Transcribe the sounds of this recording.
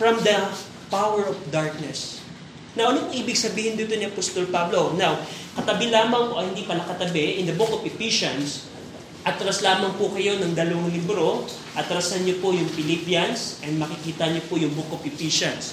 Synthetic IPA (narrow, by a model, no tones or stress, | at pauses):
fɹɐmd̪ɐ | pawɛɹɔfd̪aɹk̚nɛs | nawʔɐnopʊŋʔiːbɪɡ̚sɐbiːhɪnd̪iːt̪o̞niʔɐpost̪olpablo̞nawkɐt̪ɐbɛlaːmɐŋpoʔɐhɪ̃nd̪ipɐnɐkɐt̪ɐbɛʔɪnd̪ɐbokopɪfiʃɐns | ʔɐt̪ːɾɐslaːmɐŋpʊkɐjo̞nɐŋd̪ɐlɐwɐŋlibɾo̞ | ʔɐt̪ɾɐsɐnɲopojʊŋpɪliːpjɐnsʔɛnd̪mɐkɪkiːt̪ɐɲopojʊŋbokopɪfiʃɐns